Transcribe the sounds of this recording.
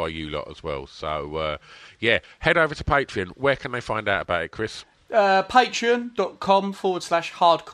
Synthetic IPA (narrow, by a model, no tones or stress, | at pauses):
aɪjəlɒ̰ʔə̰zwɛ̰lˠsoʊʌjæ | hɛɾəʊvətʰəpʰeɪtt͡ʃɹ̥iə̃nwəːkʰə̃nðeɪfãɪ̃ndaʊtəbaʊtɪ̰ʔ̚kʰɹ̥ɪs | əpʰeɪt͡ʃɹ̥iə̃nd̥ɒʔkʰɒ̃mfɔːwəd̥slaʃhɑːdkʰ